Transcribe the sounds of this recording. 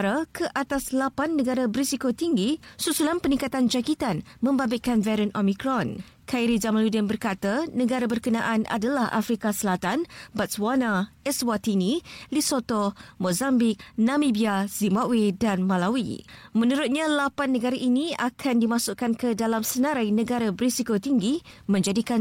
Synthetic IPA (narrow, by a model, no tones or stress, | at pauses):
ɾakʰəʔat̪aslapanːəɡaɾabəɾisikot̪iŋɡisusulanpəniŋkat̪and͡ʒakit̪anmə̃mbabiʔkanvɛɾənʔomikɾɔn | kʰaiɾid͡ʒamaludənbərkat̪anəɡaɾabərkəna̰ʔanʔa̰dalahʔa̰fɾikasəlat̪anbat̪̚swanaɛswat̪inilisot̪omozambik̚nãmibiazimbawedanmãlawḭmə̃nuɾʊt̪̚ɲalapanːəɡaɾaʔinĩakʰandimãsʊʔkankədalamsənãɾajnə̃ɡaɾabɾisikot̪iŋɡimə̃ɲd͡ʒadikan